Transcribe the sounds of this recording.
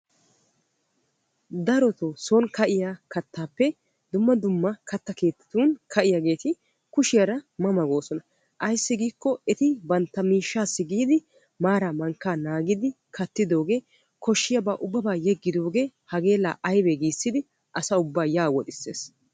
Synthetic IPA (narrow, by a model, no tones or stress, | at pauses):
d̪ɐɾɔt̪osonkɐʔɪjaːkɐt̪ːaːpːɛ | d̪ʊmːɐd̪ʊmːɐkɐt̪ːɐke̞ːt̪ːɪ̥t̪uːnkʰɐʔɪjaːɡe̞ːt̪ɪ | kʊʃɪjɐɾɐmɐmɐɡo̞ːsɔnɐ | ʔɐjsːɪɡiːkːɔɛt̪ɪbɐnt̪ːɐmiːʃːaːsːɪɡiːd̪ɪ | maːɾaːmɐŋkːaːnaːɡɪd̪ɪ | kʰɐt̪ːɪd̪o̞ːɡe̞ː | kɔʃːɪjɐbaːʔʊbːɐbaːjɛɡːɪd̪o̞ːɡe̞ːhɐɡe̞ːlːa̰ːʔɐjbɛɡiːsːɪd̪ɪ | ʔɐsɐʊbːaːjaːwɔt̪ɪsːe̞̰ːs